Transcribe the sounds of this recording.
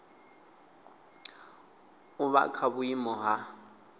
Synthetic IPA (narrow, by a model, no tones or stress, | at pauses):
ʊβa̰kʰaβʊimɔɦa